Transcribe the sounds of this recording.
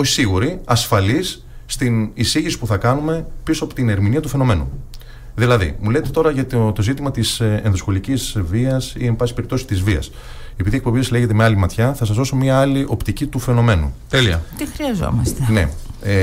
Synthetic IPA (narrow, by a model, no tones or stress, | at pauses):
oçi̥siɣuɾiɐsfɐlisː | t̪inisiʝisi̥puθɐkɐnume̞pisoɐpo̞t̪ine̞ɾminiɐt̪ufe̞no̞me̞nṵ | ðilɐðḭmuleet̪e̞t̪o̞ɾɐʝɐt̪t̪o̞zit̪imɐt̪isenðosxo̞licizviɐsiembɐsi̥pe̞ɾip̚t̪o̞si̥t̪izviɐ̰s | e̞piðiekpobiesle̞ʝe̞t̪e̞meɐlimɐt̪çɐθɐsɐzðo̞so̞mɲiɐɐliʔo̞pt̪icit̪ufe̞no̞me̞nṵt̪eliɐ̰t̪ixɾiɐzo̰mɐst̪ene̞̰